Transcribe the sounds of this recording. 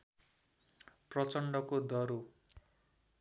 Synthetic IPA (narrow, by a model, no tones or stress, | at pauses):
prʌt͡sʌɳɖʌkod̪ʌɾu